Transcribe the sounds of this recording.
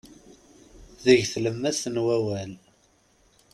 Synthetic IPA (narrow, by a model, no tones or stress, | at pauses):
ðəʝθləmːæsənwæwæl